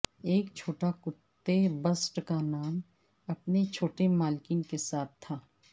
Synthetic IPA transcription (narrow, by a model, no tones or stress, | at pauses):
eːkt͡ʃʰoːʈakʊt̪ːebɐsʈkanaːm | ɐpnet͡ʃʰoːʈemaːlkinkesaːt̪ʰt̪ʰːaː